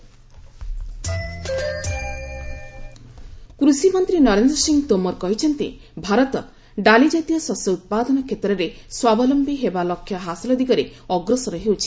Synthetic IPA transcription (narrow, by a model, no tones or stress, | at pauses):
kɾusimɔnt̪ɾinɔɾend̪ɾɔsiŋt̪omɔɾkɔɦit͡ʃʰɔnt̪ḭ | bʱaɾɔt̪ɔ | ɖalid͡ʒat̪ijɔsɔsɔut̪̚pad̪ɔnɔkʰet̪ɾɔɾeswabɔlɔmpiɦebalɔkʰːjɔɦasilɔd̪iɡɔɾeɔɡɾɔsɔɾɔɦewt͡ʃʰi̥